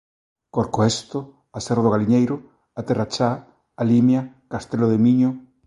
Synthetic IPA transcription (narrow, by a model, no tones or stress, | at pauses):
koɾkoest̪o | aseroðʊɣ̞aliɲejɾʊ | at̪erat͡ʃa | alimja | kast̪eloðemiɲʊ